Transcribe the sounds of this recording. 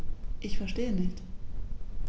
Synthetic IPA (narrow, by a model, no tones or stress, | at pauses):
ʔɪçfɛɐʃteːənɪçt